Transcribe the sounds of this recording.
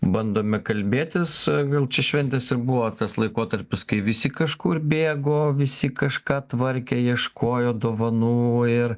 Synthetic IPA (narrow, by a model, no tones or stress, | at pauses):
bɐnd̪oːmʲɛkɐlʲbʲeːt̪ʲɪsɡɐlˠt͡ʃʲɛʃʲʋʲɛnʲt̪ʲɛsɪrbuʋoːt̪ɐslˠɐɪkoːt̪ɐɾʲpʲɪskɐɪʋʲɪsʲɪkɐʃkuːrbʲeːɡoːʋʲɪsʲɪkɐʃkɑːt̪ʋɐɾʲkʲɛjiɛʃkʰoːjoːd̪oːʋɐnuːɪr